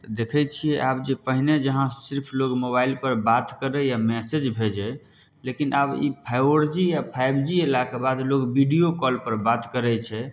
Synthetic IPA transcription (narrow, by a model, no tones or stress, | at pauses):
t̪əd̪ekʰɛt͡ʃʰijɛʔabd͡ʒepəɦined͡ʒəɦãsiɾpʰlokmoβailpəɾbat̪kəɾɛjamɛsed͡ʒbʱed͡ʒɛ | lekinʔabḭpʰajəɾd͡ʒijapʰajbd͡ʒielakebad̪lokbiɖijokɔlpəɾbat̪kəɾɛt͡ʃʰɛ